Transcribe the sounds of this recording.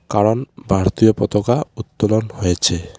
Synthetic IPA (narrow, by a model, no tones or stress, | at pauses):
kaɾonbʱaɾt̪iopɔt̪okaut̪ːolonhojet͡ɕʰe